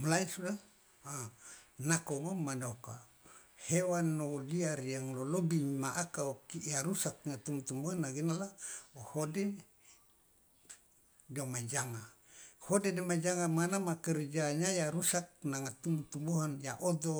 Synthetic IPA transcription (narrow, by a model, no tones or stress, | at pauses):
mulainsuda | anakoŋomanoka | hewanːoliarjaŋlolobimaʔakaokijaɾusak̚ŋat̪umut̪umuɦanaɡinalaohode | domad͡ʒaŋa | hodedomad͡ʒaŋamanamakərd͡ʒaɲajaɾusak̚naŋat̪umut̪umuɦanjaʔod̪o